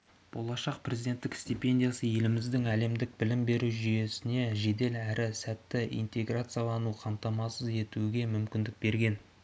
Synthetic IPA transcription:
b̥o̞̰lˠɑʃɑq̚prʲe̞zijd̪ʲe̞nt̪ːɪkst̪ipʲe̞nd̪ʲijasəje̞lɪmɪzd̪ɪŋæle̞md̪ɪk̚bɪlɪmbe̞ɾuʒʏje̞sɪne̞ʒe̞d̪e̞læɾɪsæt̪ːɪḭjnt̪ʲe̞ɡrat̪sɨjalˠɑnuqʰɑmt̪ɑmɑsəze̞t̪uɡʲe̞mʏmkʲɪnd̪ɪk̚be̞ɾɡʲe̞n

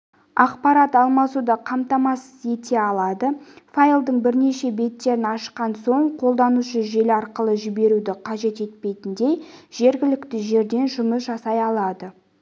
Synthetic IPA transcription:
ɑqpɑɾɑt̪ɑlˠmɑsud̪ɑqʰɑmt̪ɑmɑsəze̞t̪ʰe̞ɑlˠɑd̪əfajlˠd̪əɴbɪɾne̞ʃe̞be̞t̪ːe̞ɾɪnɑʃqɑnso̞ɴqʰo̞lˠd̪ɑnuʃəʒe̞lɪɑɾqəlˠəʒɪbe̞ɾud̪ɪqʰɑʒe̞t̪e̞t̪̚pe̞jt̪ɪnd̪e̞jʒ̥e̞ɾɡʲɪlɪkt̪ɪʒe̞ɾd̪e̞nʒʊməs̬ʒɑsɑjɑlˠɑd̪ə

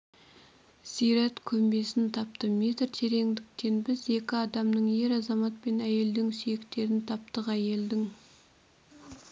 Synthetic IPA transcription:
sijɾæt̪kʲʰɵmbe̞sɪnt̪ʰɑp̚t̪əme̞t̪ɾt̪ʰe̞ɾe̞ŋd̪ɪk̚t̪e̞nbɪze̞kʲɪɑd̪ɑmnəɴje̞ɾɑzɑmɑt̪̚pe̞næje̞ld̪ɪŋsijekt̪e̞ɾɪnt̪ʰɑp̚t̪əqæje̞ld̪ɪŋ

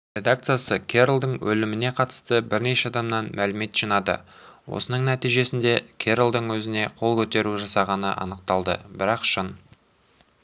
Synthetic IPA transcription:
ɾʲe̞d̪ak̚t̪sɨjasəkʲʰe̞ɾlˠd̪əɴwɵ̰lɪmɪne̞qʰɑt̪ə̥st̪əbɪɾne̞ʃeɑd̪ɑmnɑnmælɪme̞t̪ʒ̥inɑd̪ə̰ | wo̞̰sənəɴnæt̪ijʒe̞sɪnd̪e̞kʲʰe̞ɾlˠd̪əɴwɵzɪne̞qʰo̞lˠkʲʰɵt̪e̞ɾuʒɑsɑʁɑnə̰ʔɑ̰nəq̚t̪ɑlˠd̪ə̰bɪɾɑqʃən

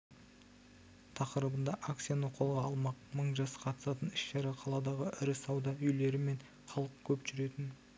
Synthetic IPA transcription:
t̪ʰɑqəɾəbənd̪ɑʔak̪sijanəqʰo̞lˠʁɑːlˠmɑqməɴʒɑsə̥qʰɑt̪ə̥sɑt̪ənɪʃʃɑɾeqʰɑlˠɑd̪ɑʁəʔɪɾɪsɑwd̪ɑʏjle̞ɾɪme̞ɴ | χɑlˠəq̚kʲʰɵpʒʏɾe̞t̪ɪn

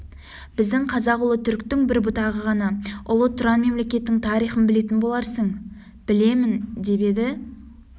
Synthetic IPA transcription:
b̥ɪzd̪ɪŋqʰɑzɑqʊlˠət̪ʰʏɾkt̪ɪŋbɪɾbʊt̪ɑʁəʁɑnɑʊlˠət̪ʰʊɾɑnme̞mle̞kʲe̞t̪ːɪŋt̪ʰɑɾijχənbɪle̞t̪ɪnbo̞lˠɑɾsəɴ | b̥ɪle̞mɪnd̪e̞be̞d̪ɪ

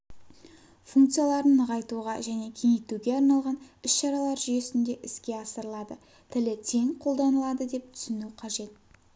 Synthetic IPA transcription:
fuŋkt̪sɨjalˠɑɾənəʁɑjt̪uʁɑʒæne̞kʲʰeŋejt̪uɡʲe̞ɑɾnɑlˠʁɑnʏsʃɑɾɑlˠɑɾʒʏje̞sɪnd̪e̞ʔɪskʲe̞ɑsəɾəlˠɑd̪ə | t̪ʰɪlɪt̪ʰe̞ŋqʰo̞lˠd̪ɑnəlˠɑd̪əd̪e̞p̚t̪ʰʏ̥sɪnuqʰɑʒe̞t̪̚

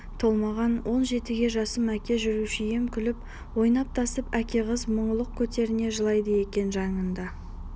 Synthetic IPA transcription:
t̪ʰo̞lˠmɑʁɑnwʔo̞nʒe̞t̪ɪɡʲe̞ʒɑsəmækʲe̞ʒʏɾuʃɪjemkʲʰʏlɪp̚ | wo̞jnɑp̚t̪ʰɑsəpækʲe̞ʁəzməɴəlˠəq̚kʲʰɵt̪e̞ɾɪne̞ʒəlˠɑjd̪əje̞kʲe̞nʒɑɴənd̪ɑ

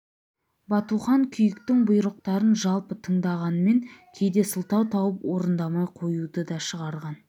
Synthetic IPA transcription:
bɑt̪uχɑŋkʲʰʏjɪkt̪ɪŋbʊjɾəq̚t̪ɑɾənʒɑlˠpət̪ʰəɴd̪ɑʁɑnəme̞ŋkʲʰe̞jd̪e̞səlˠt̪ɑwt̪ʰɑwəpwo̞ɾənd̪ɑmɑjqʰo̞jud̪əd̪ɑʃəʁɑɾʁɑn

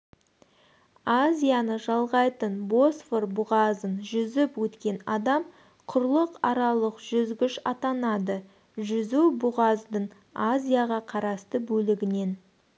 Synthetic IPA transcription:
azʲijanəʒɑlˠʁɑjt̪ənbo̞sforbʊʁɑzənʒʏzɪpwɵt̪kʲe̞nɑd̪ɑm | qʰʊɾlˠəqɑɾɑlˠəqʒ̥ʏzɡʲɪʃɑ̰t̪ɑnɑd̪ə | ʒʏzuwbʊʁɑzd̪əɴ | azʲijaʁɑqʰɑɾɑst̪əbɵlɪɡʲɪne̞n

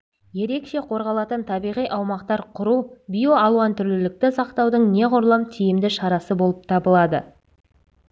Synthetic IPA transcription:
je̞ɾe̞kʃe̞qʰo̞ɾʁɑlˠɑt̪ənt̪ʰɑbijʁijʔɑwmɑqt̪ɑɾqʰʊɾubʲijo̞ɑlˠwɑnt̪ʰʏɾlɪlɪk̚t̪ɪsɑqt̪ɑwd̪əɴne̞qʰʊɾlˠɑmt̪ʰijɪmd̪ɪʃɑɾɑsəbo̞lˠəp̚t̪ʰɑbəlˠɑd̪ə̰

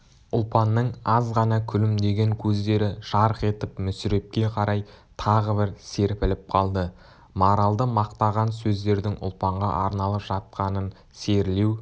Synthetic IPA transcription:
ʊlˠpɑnːəɴɑzʁɑnɑkʲʰʏlɪmd̪e̞ɡʲe̞ŋkʲʰɵzd̪e̞ɾɪʒ̥ɑɾəqe̞t̪ɪpmʏsɪɾe̞p̚kʲe̞qʰɑɾɑjt̪ʰɑʁəbɪɾse̞ɾpɪlɪp̚qʰɑlˠd̪ə | mɑɾɑlˠd̪əmɑqt̪ɑʁɑnsɵzd̪e̞ɾd̪ɪŋʊ̰lˠpɑɴʁɑ̰ʔɑɾnɑlˠəpʒ̥ɑt̪̚qɑnən | se̞ɾle̞w

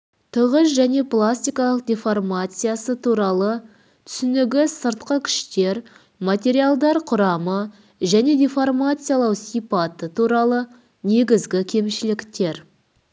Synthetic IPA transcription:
t̪ʰəʁəsʒæne̞plˠasʲt̪ʲijkalˠəq̚d̪ʲeformat̪sɨjasət̪ʰuɾɑlˠə | t̪ʰʏ̥sʏnɪɡʲɪsəɾt̪qəkʲʰɪ̥ʃt̪e̞ɾ | mat̪ʲe̞ɾijalˠd̪ɑɾqʰʊɾɑmə | ʒæne̞d̪ʲeformat̪sɨjalˠɑwsijpat̪ət̪ʰuɾɑlˠə | ne̞ɡʲɪzɡʲɪkʲʰe̞mʃɪlɪkt̪e̞ɾ

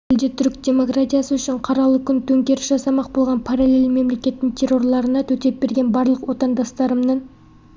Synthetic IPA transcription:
ɪld̪ɪt̪ʰʏɾkd̪ʲe̞mo̞krat̪ʲijasəʏʃɪɴqʰɑɾɑlˠəkʲʰʏnt̪ʰɵŋkʲe̞ɾɪʃʒɑsɑmɑq̚bo̞lˠʁɑnpʰaɾalʲe̞lme̞mle̞kʲe̞t̪ːɪŋt̪ʲʰe̞rːo̞rlˠɑɾənɑt̪ʰɵt̪e̞p̚be̞ɾɡʲe̞nbɑɾlˠəqwo̞t̪ɑnd̪ɑst̪ɑɾəmnəɴ

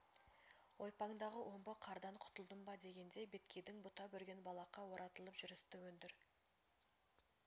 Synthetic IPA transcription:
wo̞jpɑŋd̪ɑʁəwʔo̞mbəqʰɑɾd̪ɑɴqʰʊ̥t̪əlˠd̪əmbɑd̪e̞ɡʲe̞nd̪ebe̞t̪kʲʰe̞jd̪ɪŋbʊt̪ɑbɵɾɡʲe̞nbɑlˠɑqɑwo̞ɾɑt̪əlˠəpʒ̥ʏɾɪst̪ɪwɵnd̪ɪɾ

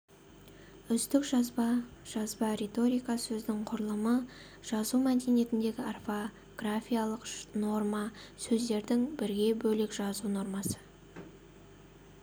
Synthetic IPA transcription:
ʏst̪ɪkʒɑzbɑʒ̥ɑzbɑɾe̞t̪o̞ɾijkɑsɵzd̪ɪŋqʰʊɾəlˠəmə | ʒ̥ɑzumæd̪ene̞t̪ɪnd̪e̞ɡʲɪarfo | ɡ̥rafʲijalˠəqno̞rmɑsɵzd̪e̞ɾd̪ɪŋbɪɾɡʲe̞bɵlɪkʒɑzuno̞rmɑsə̥

